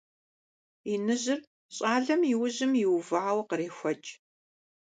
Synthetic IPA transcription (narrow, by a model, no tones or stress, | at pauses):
inɨʑɪr | ɕʼaːɮɐmjɪwʊʑɪmjɪwvɐʕawɐqəriːxʷɐt͡ʃʼ